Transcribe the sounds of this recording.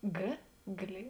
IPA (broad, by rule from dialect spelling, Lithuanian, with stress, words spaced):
ˈɡʲeː ɡlʲeː